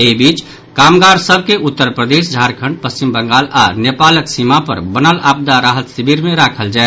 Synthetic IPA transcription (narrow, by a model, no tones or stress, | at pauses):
ebiːt͡ʃ | kaːmɡaɾsəbʱkeʔut̪ːəɾpɾəd̪eːs̬d͡ʒʱaɾkʰə̃ɳɖ̚pəst͡ʃimbə̃ŋɡaːlanepaləksimapə̰ɾbənalaːp̚d̪aɾaːɦət̪sibiɾmẽɾakʰəld͡ʒaɛ